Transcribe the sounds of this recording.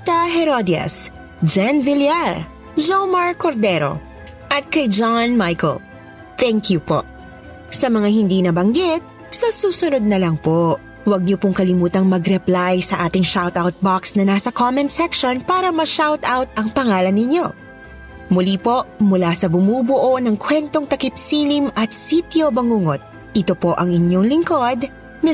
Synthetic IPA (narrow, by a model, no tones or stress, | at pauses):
t̪ɐɦɛɾod̪ɪɐ̰s | d͡ʒɛnvɪljaɹ | d͡ʒowmɐɹkoɾd̪ɛɾo̰ | ʔɐt̪̚kɐjd͡ʒanmajko̰l | t̪ɛŋkjupo̰ʔ | sɐmɐŋahɪnd̪iːnɐbɐŋɡɪt̪̚ | sɐsuːsʊnod̪̚nɐlɐŋpo | wɐɡ̚ɲopʊŋkɐlɪmuːt̪ɐŋmɐɡɾɛplajsɐʔaːt̪ɪŋʃawt̪awt̪̚baksnɐnaːsɐkomɛnt̪sɛkʃonpaːɾɐmɐʃawt̪awt̪̚ʔɐŋpɐŋaːlɐnːɪɲo̞ | mʊlipo̞ʔmʊlasɐbʊmuːbʊʔo̞nɐŋkwɛnt̪oŋt̪ɐkɪpsiːlimʔɐt̪sit̪jobɐŋuːŋot̪̚ | ʔɪt̪o̞po̞ʔɐŋɪɲjo̞ŋlɪŋko̞d̪ | mɛ